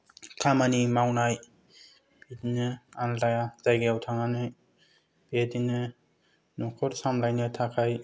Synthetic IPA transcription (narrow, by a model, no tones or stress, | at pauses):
kʰamanimawnaj | bedinɯantajazajɡeawtʰaŋanɯ | b̥edinɯ | nukʰɔɾsamlajnɯtʰakʰaj